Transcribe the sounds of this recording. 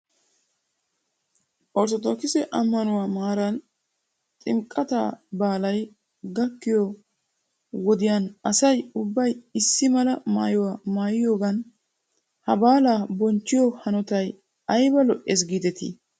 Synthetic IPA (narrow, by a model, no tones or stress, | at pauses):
ʔɔɾt̪ɔt̪okɪsɛʔɐmːɐnʊwaːmaːɾɐn | t̪ʼɪmkʼːɐt̪a̰ːbaːlɐj | ɡɐkːɪjo | wɔd̪ɪjaːnɐsɐjʊbːɐjɪsːɪmɐlɐma̰ːjɔwaːmaːjɪjo̞ːɡɐn | hɐbaːlaːbɔnt͡ʃːɪjohɐnɔt̪ɐj | ɐjbɐlɔʔɛs̬ɡiːd̪ɛt̪ḭː